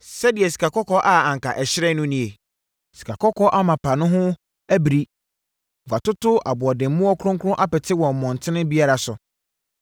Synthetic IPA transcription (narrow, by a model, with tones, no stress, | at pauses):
sɛ˦dɪ˨ɛ˨si̥˨kʰa˨kɔ˦kʰɔ˦ʔa˦ã˨ŋ̩˨ka˨ʔɛ˨ɕɪ˦ɾɛ˦nʊ̃˦nĩ˨e˨ | si̥˨kʰa˨kʰɔ˦kʰɔ˦ʔa˦mã˨pʰa˨nʊ̃˦ɦʊ̃˦ | æ˦bɾi˦ | wa˨tʊ˦tʊ˦a̰˨bʊ˨ɔ˨dɪ̃˨m˨mũ˦ɔ˦kʰʊ˦ɾʊ̃˦ŋkʰʊ˦ɾʊ̃˦ʔa˦pɛ˨tʰɪ˦wɔ̃˨m˨mɔ̃˨n̩˨tʰɪ˦nɪ̃˦bi˦a˦ɾa˨sʊ˨